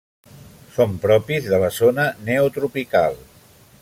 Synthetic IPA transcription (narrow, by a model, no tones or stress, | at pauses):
sompɾɔpizðələzonəneut̪ɾupika̰lˠ